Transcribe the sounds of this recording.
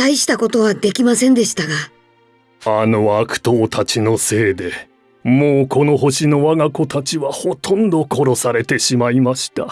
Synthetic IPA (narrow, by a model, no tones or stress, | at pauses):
taiɕi̥t̪ako̞t̪o̞β̞ad̪e̞kʲimasẽ̞nd̪e̞ɕi̥t̪aɡa | ano̞akɯ̟̥t̪oːt̪ʰat͡ɕino̞se̞ːd̪e̞ | moːkʰo̞no̞ɦo̞ɕino̞βaɡako̞t̪ʰat͡ɕiβaho̞t̪ʰõ̞nd̪o̞kʰo̞ɾo̞saɾe̞t̪e̞ɕimaimaɕi̥t̪a̰